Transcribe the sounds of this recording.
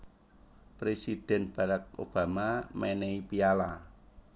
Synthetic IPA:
pɾesid̪̥ɛ̤nb̥a̤ɾak̚o̰b̥a̤mamɛneipiala

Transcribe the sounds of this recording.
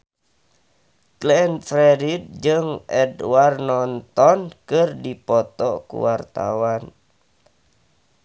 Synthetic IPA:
klɛnfɾɛɾid̚d͡ʒɨŋʔɛdwarnɔnt̪ɔnkɨrdipɔt̪ɔkṵwart̪a̰wan

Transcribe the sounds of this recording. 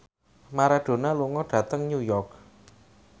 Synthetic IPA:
maɾaɖ̥o̤naluŋɔɖ̥ä̤t̪əŋɲujɔrk̚

